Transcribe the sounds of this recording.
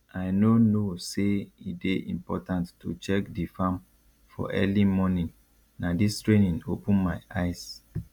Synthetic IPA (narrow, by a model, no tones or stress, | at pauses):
aɪnonoseit̚deʔḭ̃mpɔ̰tãntːṵt͡ʃɛkdifãm | fɔ̰ʔɛ̰limɔnĩn | nadistɹẽnĩnopũnmaɪʔaɪs